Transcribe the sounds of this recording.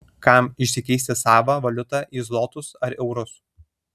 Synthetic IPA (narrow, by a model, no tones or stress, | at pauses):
kɑˑmɪʃʲsʲɪkʲɛɪsʲt̪ʲɪsɑːʋɐʋɐlʲʊt̪ɑʔiːzlˠɔːt̪ʊsɐɾɛʊɾʊs